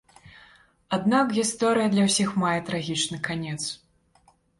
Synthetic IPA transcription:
ad̪nakɣʲist̪ɔɾɨjɐd̪lʲɐwsʲixmajɛt̪ɾaɣʲit͡ʂnɨkanʲɛt̪s

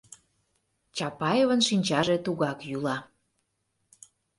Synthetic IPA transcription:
t͡ɕɑpɑjevənʃinʲt͡ɕɑʒet̪uɣɑkjulɑ

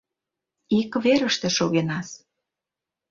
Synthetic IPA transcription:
ikβeɾə̆ʃt̪ĕʃoɣenɑs

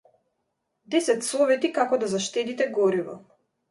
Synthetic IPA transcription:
d̪ɛsɛt̪sɔvɛt̪ikakɔd̪azaʃt̪ɛd̪it̪ɛɡɔɾivɔ̰

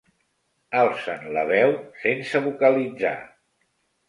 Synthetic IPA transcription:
alˠsənləβɛwsensəβukəlid͡za̰

